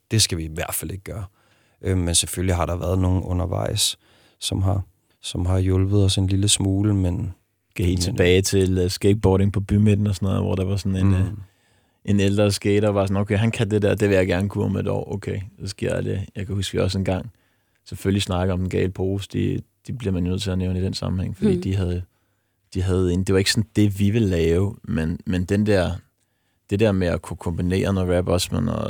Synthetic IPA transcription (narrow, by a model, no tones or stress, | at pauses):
d̥e̝sɡ̥æʋiʋæɐd̥fæle̝ɡ̥ɡ̥ɶːɐ | ʔømensefølliɦɑ̈ɾɑ̈ʋæɐð̞ˠno̝ːn̩ɔ̽nɐʋɑ̈ɪ̰s | sɒ̽mɦɑ̈ | sɒ̽mɦɑ̈jɔlb̥ð̞̩ˠɒ̽se̝nliləsmuːləmen | kʰæhe̝̰ːlt͡sʰe̝b̥ɛːɪt͡sʰe̝lsɡ̥eɪd̥̚b̥ɒːɾe̝ŋpʰɒ̽b̥ymed̥n̩ɒsɒ̽nɔ̽ːð̩̰ˠʋɒ̰ɾ̥ɑʋɑ̈sɒ̽ne̝n | ʔe̝neld̥ʁɐsɡ̥eːɾ̥ɑʋɑ̈sɒ̽noʊkʰeɪɦænkʰæd̥e̝d̥eɐd̥e̝ʋe̝jɑ̈ɪɡ̥æɐnəkʰṵɒmeed̥ɒ̰ːʔoʊkʰeɪsɒ̽sɡ̥e̝ɐ̰dæd̥e̝jɑ̈ɪkʰæhusɡ̥ʋiɒ̽senɡ̥ɑ̈ŋ̰ | seføllisnɑ̈ɡ̥əð̩ˠɒ̽md̥en̩ɡ̥ɛ̰ɪləpʰo̝ːsd̥ḭd̥ib̥liɐmænjonøð̰ˠt͡sʰe̝ɐneʊnid̥ensɑ̈mm̩heŋfɒd̥ḭːd̥iɦæð̩ˠjo | d̥iɦæð̞̩ˠend̥e̝ʋɑ̈e̝ɡ̥sɒ̽nd̥e̝ʋiʋe̝lɛːʊmenmend̥end̥ɛɐ̰ | d̥e̝d̥eɐmeɒkʰukʰɒ̽mb̥ine̝̰ːɐnɒʁæb̥ɒsmenɒ